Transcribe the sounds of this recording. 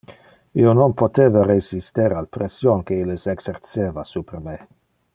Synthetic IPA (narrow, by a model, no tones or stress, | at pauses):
iononpot̪eːvaresist̪eɾalpɾesjonkeileseksert̪t͡seːvasupɾeme